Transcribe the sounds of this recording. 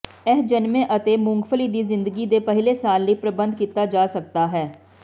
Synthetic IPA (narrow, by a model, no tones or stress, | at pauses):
ɛɦd͡ʒənmẽːʔət̪eːmʊŋɡfʰəliːd̪iːzɪnd̪əɡiːd̪eːpəɦleːsaːlːəiːpɾəbənd̪̚kiːt̪aːd͡ʒaːsək̚t̪aːɦɛː